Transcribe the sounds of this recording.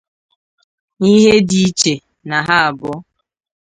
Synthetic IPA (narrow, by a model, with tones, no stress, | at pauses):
i˦ɦe˦di˦t͡ʃe˨ | na˨ɦa˦a˨bʊ˦